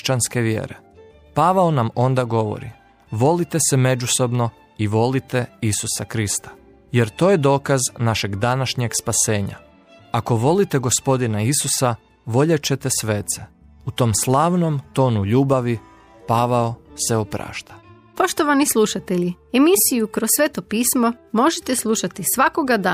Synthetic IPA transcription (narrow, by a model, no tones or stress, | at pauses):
t͡ɕanske̞ʋjḛːɾe | paʋaonamo̞nd̪aɡo̞ʋo̰ɾḭ | ʋo̞lit̪e̞seme̞d͡ʒuso̞bno̞ | iʋo̞lit̪eisusakɾist̪ḁ | je̞ɾt̪o̞ːje̞d̪o̞ːkaznaʃe̞ɡd̪anaʃɲe̞ɡspase̞ːɲa̰ | ako̞ʋo̞lit̪eɡo̞spo̞d̪inaisusa | ʋo̞ʎet͡ɕet̪e̞sʋeːt̪se | ut̪o̞ːmslˠaːʋno̞mt̪o̞ːnuʎuːbaʋi | paːʋaoseopɾa̰ːʃt̪ḁ | po̞ʃt̪oʋanislˠuʃat̪eʎi | emisijukɾossʋeːt̪opiːsmo̞mo̞ʒet̪eslˠuʃat̪isʋako̞ɡad̪aː